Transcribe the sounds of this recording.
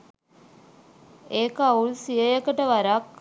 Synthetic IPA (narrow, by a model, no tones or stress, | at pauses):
eːkauɭsijəjekəʈəʋɐɾɐk